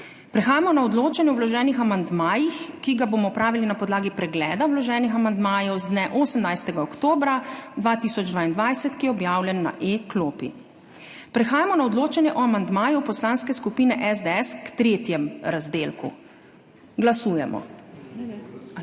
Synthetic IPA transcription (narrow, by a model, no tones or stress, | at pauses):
pɾɛxaːjamɔnaɔd̪loːt͡ʃanjɛɔwlɔʒɛːnixamand̪maːjixkiɡaboːmɔpɾaːʋilinapɔd̪laːɡipɾɛɡlɛːd̪awlɔʒɛːnixamand̪maːjɔwzd̪nɛʔoːsəmnajst̪ɛɡaɔkt̪oːbɾad̪ʋaːt̪iːsɔd͡ʒd̪ʋaːind̪ʋajsɛt̪kijɛɔbjaːwlʲjɛnːa̰ʔekloːpḭ | pɾɛxaːjamɔnaɔd̪loːt͡ʃanjɛʔɔamand̪maːjupɔslaːnskɛskupiːnɛʔɛzd̪ɛɛskt̪ɾeːt̪jɛmɾazd̪eːlkṵ | ɡlasuːjɛ̰mɔ̰